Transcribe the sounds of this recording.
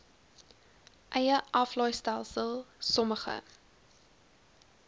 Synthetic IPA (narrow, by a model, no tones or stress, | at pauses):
ʔɛjəʔɐflɔjstælˠsəlˠsɔməχə̰